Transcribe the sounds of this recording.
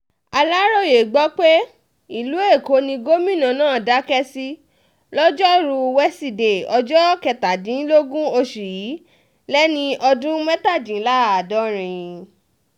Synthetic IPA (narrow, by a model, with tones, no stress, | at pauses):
a˧la˦ɾo˦˨je˨ɡ͡bɔ˨˦k͡pe˦ | i˨lu˨˦e˦˨ko˨˦nĩ˧ɡo˦mĩ˦˨nã˧˨nãː˦˨da˨˦kɛ˦si˦ | lɔ˦d͡ʒɔ˦˨ɾu˧wɛ˦si˦˨de˨ɔ˧d͡ʒɔ˦kɛ˧ta˨dĩ˨˦n˦lo˦ɡũ˦o˧ʃu˨ji˨˦ | lɛ˦nĩ˧ʔɔ˧dũ˦mɛ˦ta˦˨d͡ʒĩ˨˦la˦˨a˨dɔ˦ɾ̃ĩ˨